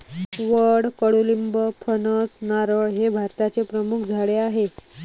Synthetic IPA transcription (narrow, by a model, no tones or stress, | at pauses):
ʋəɽkəɽulimbəpʰənəsnaɾəɭɦebʱaɾt̪at͡sepɾəmukʰd͡zʱaɭeaɦe